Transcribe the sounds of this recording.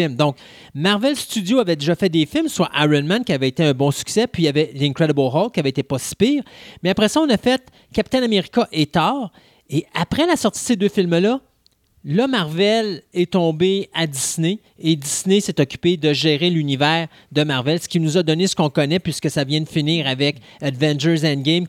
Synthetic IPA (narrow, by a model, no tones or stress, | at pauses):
ɪlmd̪ɔ̃k̚ | maʁvɛlst̪yd̪zjoavɛd̪eʒɑfɛt̚d̪efɪlmswaʔajʁɔnmãnkʲiavɛet̪eœ̃bɔ̃sy̥ksɛpɥiavɛlɛ̃kʁɛd̪əbəlʁɔlkʲiavɛet̪epʌsi̥piːʁmɛapʁɛsʌɔ̃nafɛt̪̚ | kʲapi̥t̪ɛnameʁikaʔet̪ɑːʁ | eapʁɛlasɔʁt̪id̥̪sed̪øfɪlmlʌ | lʌmaʁvɛlɛt̪ɔ̃bead̪isneː | d̪isnesɛt̪ɔkʲy̥ped̪əʒeːʁelynivɛːʁ | d̪əmaʁvɛlsə̥kʲinuzad̪ɔnesə̥kɔ̃kɔnɛpɥiskəsavjɛ̃d̪əfiniːʁavɛk | ad̪vɛ̃nd͡ʒə˞zɛ̃nɡʲɛ̃m